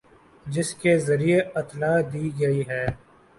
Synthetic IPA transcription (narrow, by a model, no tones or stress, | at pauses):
d͡ʒɪskezɐɾieɐt̪laːd̪iːɡɐiɦɛː